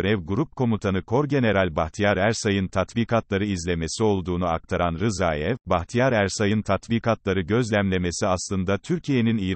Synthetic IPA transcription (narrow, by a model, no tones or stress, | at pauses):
ɾɛvɡuɾup̚kʰo̞mut̪ʰanɯkʰo̞ɾɟe̞ne̞ɾalʲbaxt̪ʰijaɾæɾsajɯnt̪ʰat̪viːkʰat̪lˠaɾɯizlʲe̞me̞sio̞lˠd̪uːnuak̚t̪ʰaɾanɾɯzaːjɛvbaxt̪ʰijaɾæɾsajɯnt̪ʰat̪viːkʰat̪lˠaɾɯɟø̞zlʲæmlʲe̞me̞siaslˠɯnd̪at̪ʰyɾcʰije̞niniji